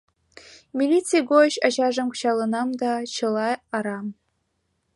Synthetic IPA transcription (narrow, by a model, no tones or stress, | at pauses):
mʲilʲit͡sijɡoɕɑɕɑʐɤ̆mkɕɑlˠɤ̆nɑmd̪ɑt͡ɕɤ̆lˠɑɑɾɑm